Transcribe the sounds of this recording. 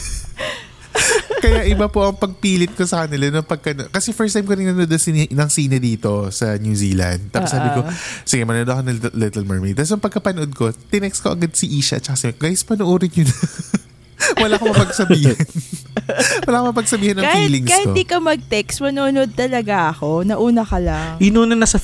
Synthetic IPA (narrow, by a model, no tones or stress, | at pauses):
kɐjaʔɪbapoʔɐŋpɐɡ̚piːlɪt̪̚kosɐkɐnɪlanɐŋpɐɡ̚kɐnokɐsɛfɛɹst̪ajmkoɾɪŋnɐnod̪ɐŋsɪnɐŋsiːnɐd̪iːt̪o̞sɐnjuːsiːlɐ̰nd̪̚t̪aːpʊsabɪko̞sɪɡɛjmɐnod̪ɐkonɐlɛt̪ɐlmɐɹmɛt̪as̬ɐŋpɐɡ̚kɐpɐnoʔod̪̚ko̞t̪ɪnɛkskoʔɐɡɐd̪sɐʔiːʃɐʔɐ̰t̪t͡ʃɐkasɐmɛɡajspɐnʊʔuːɾɪnjʊnɐ | wɐlaːkomɐpɐɡsɐbiːhɪnn | wɐlaːkomɐpɐɡsɐbiːhɐnɐŋffiːlɪŋskaɪkod̪iːkɐmɐɡ̚t̪ɛkst̪mɐnonod̪̚t̪ɐlɐɡaʔɐkonɐʔuːnɐkɐlaŋʔɪnunɐnɐsɐ